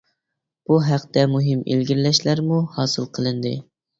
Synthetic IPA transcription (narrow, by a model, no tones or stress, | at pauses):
b̥uɦæqt̪ɛmuɦɨmḛlɡʲiɾlɛʃlæɾmuhɑːsɨlˠqʰəlˠɨnd̪ɨ̰